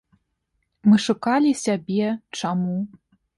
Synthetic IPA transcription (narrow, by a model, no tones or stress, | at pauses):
mɨʂukalʲisʲabʲɛt͡ʂamu